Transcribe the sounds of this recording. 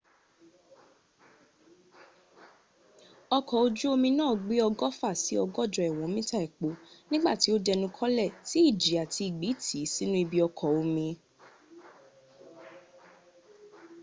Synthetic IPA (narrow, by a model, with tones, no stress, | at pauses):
ɔ˧kɔ˨o˧d͡ʒu˦o˧mĩ˧nãː˦˨ɡ͡be˦ɔ˧ɡɔ˦fa˦˨si˨˦ɔ˧ɡɔ˦˨d͡ʒɔ˨ɛ˨w̃ɔ̃˨˦mĩ˦ta˦˨ɛ˨k͡po˨˦nĩ˦ɡ͡ba˦˨ti˨˦o˦dɛ˧nũ˧kʰɔ˦lɛ˦˨ti˨˦i˦˨d͡ʒi˨a˨ti˧i˨ɡ͡bi˨˦tʰi˨˦si˦nũ˦i˧bi˧ɔ˧kʰɔ˨o˧mĩ˧